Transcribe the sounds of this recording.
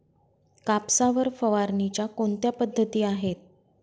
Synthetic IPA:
kapsaʋəɾfəʋaɾnit͡ɕjakont̪japəd̪ʱːət̪iːaɦet̪̚

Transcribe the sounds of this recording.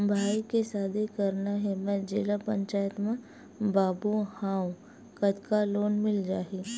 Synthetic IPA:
bʱaːikesaːd̪ʱekɐɾnaɦɛmɛ̃d͡ʒeːlapə̃ɲt͡ʃaːjət̪mã | baːbuhãːw | kɐt̪kaloːnmɪld͡ʒaːɦi

